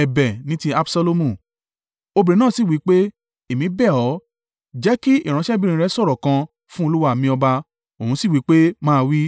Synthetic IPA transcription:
ɛ˨bɛ˨nĩ˦ti˧a˧bsa˧lo˧mũ˦˨ | o˧bɾẽ˨˦nãː˦˨si˦˨wi˨˦k͡pe˦ | e˨mĩ˨˦bɛ˦˨ɔ˨˦ | d͡ʒɛ˦ki˦i˦˨ɾ̃ã˧˦ʃɛ˦bĩ˦ɾ̃ĩ˧ɾɛ˧˦sɔ˦˨ɾɔ˨kã˧ | fũ˦o˧lu˦wa˦˨mĩ˧ɔ˧ba˧ | o˨ũ˧˦si˦˨wi˨˦k͡pe˦mãː˦˧wi˦

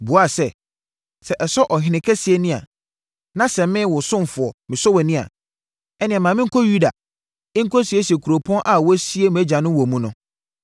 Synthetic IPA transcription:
bu˨˦a˦˨sɛ˦ | sɛ˨ʔɛ˨sɔ˦ʔɔ˨ɦɪ̃˨nɪ̃˨˦kʰɛ˦si˨e˨nɪ̃˦a̰˨ | nã˦sɛ̃˨mɪ̃˦wʊ˨sʊ̃˦m˨fʊ˨ɔ˨mɪ̃˨sɔ˦wɛ˨nɪ̃˦a̰˨ | ɛ˦nɪ̃˨ɛ̃˨mã˨mɪ̃˦ŋ̩˦kʰɔ˦ju˦da˨ | ɪ˦ŋ̩˦kʰɔ˦si˨e˦si˨e˨kʰu˨ɾo˨pʰɔ̃˦nʔa˨wɔ˦si˦e˦m̃˨æ˦d͡ʑã˨nʊ̃˦wɔ˨mũ˦nʊ̃˦

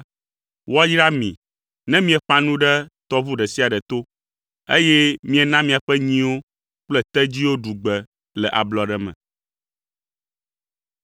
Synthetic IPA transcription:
wɔ˦jɾa˦mḭ̃˨ | nɛ̃˦mĩ˦ɛ˨ɸã˦nũ˦ɖɛ˦t̪ɔ˦vu˦ɖɛ˨si˦a˨ɖɛ˨t̪o˦ | e˦jɛ˦mĩ˦ɛ˨nã˦mĩ˨a˨ɸɛ˦ɲĩ˦wo˦ | k͡plɛ˦t̪ɛ˦d͡ʑi˦wo˦ɖu˨ɡ͡bɛ˨ | lɛ˨ʔa˨blɔ˨ɖɛ˨mɛ̰̃˨

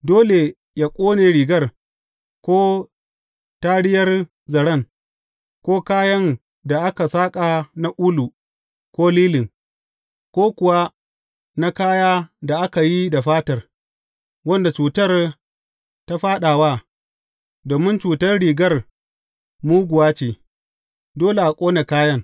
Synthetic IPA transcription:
doː˦le˨ | jaː˦kʷʼoː˦neː˨ɽiː˨ɡɐ˦r | kʷoː˦ | taː˦ɽɪ˦jɐ˦r | zɐ˨ɽɐ˦˨ŋ | kʷoː˦kaː˦jɐ˦n | da˨ʔa˦ka˨saː˦kʼa˨na˦ʔuː˦lu˨ | kʷoː˦liː˦lɪ˨ŋ | kʷoː˦kʷʊ˨wa˦ | na˦kaː˦jaː˦da˨ʔa˦ka˨ji˦da˨ɸaː˦tɐ˨r | wɐ˦nda˨t͡ʃuː˨tɐ˦r | ta˦ɸaː˦ɗa˨waː˦ | doː˨mɪ˦nt͡ʃuː˨tɐ˦rɽiː˨ɡɐ˦r | muː˦ɡʷʊ˨waː˦t͡ʃeː˨ | doː˦le˨ʔa˨kʷʼoː˦ne˨kaː˦jɐ˦ŋ

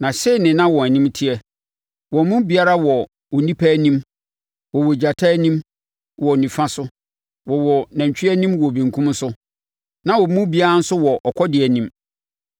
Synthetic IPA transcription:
nã˨ɕe˦˨nɪ̃˨nã˦wɔ̃˨æ˨nĩ˦mtʰɪ˦ɛ˨ | wɔ̃˨˦mũ˦bi˨a˦ɾa˦wɔ˨ | ɔ˨nĩ˦pʰæ˦nĩ˦m | wɔ˨wɔ˨d͡ʑa˨tʰaː˦nĩ˦m | wɔ˨nĩ˨fã˦sʊ˦ | wɔ˨wɔ˨nã˨ɲ˨t͡ɕʰᶣɪ˦ɛ˦nĩ˦mwɔ˨bĩ˨ŋkʰũ˦m˦sʊ˦ | nã˦wɔ˨mũ˦bi˨˦a˦ɾa˦n̩˦sʊ˦wɔ˨ʔɔ˨kʰɔ˦dɪ˨ɛ˨nĩ˦m

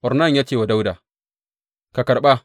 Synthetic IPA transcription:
ʔɔ˨ɾna˦˨ɲja˦t͡ʃeː˨wa˨da˦wdaː˨ | ka˨kɐ˨ɾɓa˦

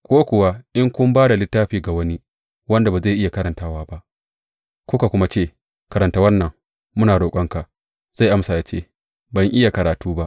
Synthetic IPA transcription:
kʷoː˦kʷʊ˨wa˦ʔɪ˦ŋkʷʊ˦mbaː˦da˨lɪ˦tːaː˦ɸiː˨ɡa˨wɐ˦ni˦ | wɐ˦nda˨ba˨za˦˨ʔɪ˦ja˨kɐ˦ɾɐ˨ntaː˦waː˦ba˦ʔ | kʷoː˦ka˨kʷʊ˦ma˦t͡ʃeː˦˨ | kɐ˦ɾɐ˨ntaː˦wɐ˦nːɐ˨ŋ | mʊ˦naː˨ɽoː˨kʷʼɐ˦ŋka˨ʔ | z̥a˦˨jʔa˦msa˨ja˨t͡ʃḛː˦˨ | bɐ˨ŋʔɪ˦ja˨kɐ˨ɾaː˨tuː˦ba˦ʔ

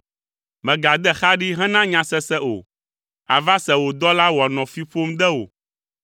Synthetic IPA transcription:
mɛ̃˨ɡa˨d̪ɛ˦xa˦ɖi˦ɦɛ̃˦nã˦ɲã˨sɛ˦sɛ˦o̰˨ | a̰˨va˦sɛ˨wo˨d̪ɔ˦la˦wɔ˨nɔ̃˨fi˦ɸo˦md̪ɛ˦wo̰˨

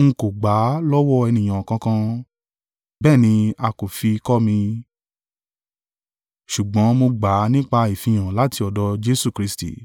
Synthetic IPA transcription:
ŋ̩˧ko˨ɡ͡ba˨˦lɔ˦wɔ˦ɛ˧nĩ˨j̃ã˨ɔ˨kã˧kã˧ | bɛː˦˨nĩ˧a˧ko˨fi˧kɔ˦mĩ˧ | ʃu˨ɡ͡bɔ̃˨˦mo˧ɡ͡ba˨˦nĩ˦k͡pa˧i˨fĩ˧j̃ã˨la˨˦ti˧ɔ˨dɔ˧d͡ʒe˧su˦˨kɾi˧˦stḭ˦˨

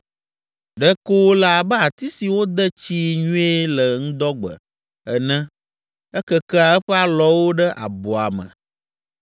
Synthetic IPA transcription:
ɖɛ˦ko˦la˨a˨bɛ˦a˨t̪i˦si˨wo˦d̪ɛ˦t͡ɕi˦ɲũ˦e˦lə˨ŋũ˦d̪ɔ˦ɡ͡bə̰˨ | ɛ˨nɛ̃˦ | ɛ˦kə˦kɛ˦a˨ɛ˦ɸɛ˦a˦lɔ˦wo˦ɖɛ˦ʔa̰˨bɔ˨a̰˨mə̰̃˨

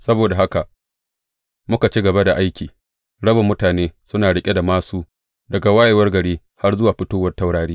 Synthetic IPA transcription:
sɐ˦boː˨da˨ɦa˦ka˨ʔ | mʊ˦ka˨t͡ʃi˦ɡɐ˨ba˦da˨ʔa˦jkʲiː˨ | ɽɐ˦bɐ˨mːʊ˦taː˨neː˦sʊ˦naː˨ɽɪ˦kʲʼe˦da˨maː˦suː˦ | dɐ˨ɡa˨wa˦ja˨wɐ˦rɡɐ˨ɽiː˦ | ha˦rzʊ˦waː˨ɸɪ˦toː˦wɐ˦rta˦wɽaː˨ɽiː˦

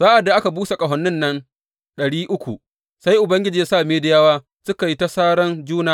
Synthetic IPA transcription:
saː˦ʔa˨dːa˨ʔa˦ka˨buː˦se˨kʼɐ˨ɦɔ˨nːɪ˦nːɐ˦n | ɗɐ˨ɽiː˦ʔʊ˦kʷṵ˨ | sa˦jʔʊ˨bɐ˦ŋɡʲɪ˦d͡ʒiː˨a˦saː˦˨meː˦dɪ˦jaː˦waː˦ | sʊ˦ka˨ji˦ta˦saː˦ɽɐ˦nd͡ʒuː˦naː˦

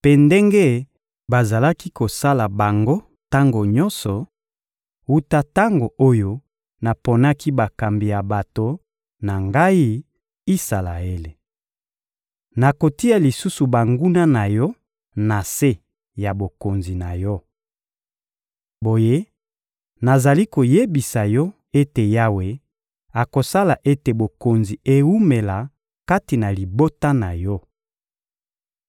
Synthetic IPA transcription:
pe˦˨ndɛ˦ŋɡe˦ | ba˨za˨la˦ki˦ko˨sa˦la˨ba˨ŋɡo˦ | ta˦ŋɡo˨ɲɔ̃˦nsɔ˨ | wu˦ta˦ta˦ŋɡo˨ʔo˦jo˦ | na˨po˨na˦ki˦ba˨ka˨mbi˨ja˨ba˨to˨ | na˨ŋɡa˦i˦ | i˦sa˨la̰˨e˦le˨ | na˨ko˨ti˦a˨li˨su˦su˨ba˨ŋɡu˦na˦na˨jɔ˦ | na˨se˦ | ja˨bo˨ko˨nzi˨na˨jɔ˦ | bo˨je˦ | na˨za˨li˦ko˨je˦bi˨sa˨jɔ˦ | e˦te˨ja˦we˨ | a˨ko˨sa˦la˨ʔe˦te˨bo˨ko˨nzi˨e˨u˦me˨la˨ | ka˦ti˨na˨li˨bo˦ta˦na˨jɔ˦

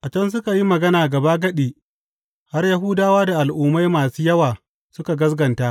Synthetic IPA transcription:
ʔa˨t͡ʃɐ˦ns̬ʊ˦ka˨ji˦mɐ˨ɡɐ˦naː˨ɡɐ˨baː˦ɡɐ˦ɗiː˨ | ha˦rjɐ˦ɦuː˦daː˦waː˦da˨ʔa˨lʔʊː˦ma˦jmaː˨suː˦jɐ˦waː˨ | sʊ˦ka˨ɡɐ˦sɡɐ˨nta˦ʔ

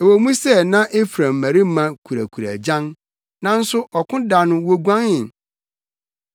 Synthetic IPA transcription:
e˨wo˨mũ˦sɛ˦nã˦ʔe˦fɾã˨mː˨æ̃˨ɾi˦mã˨kʰu˨ɾæ̰˨kʰu˨ɾæ̰˨d͡ʑã˦n | nã˦n̩˦sʊ˦ʔɔ˨kʰʊ̃˦da˨nʊ̃˦wo˦ɡʷã˦nɪ̃˨n

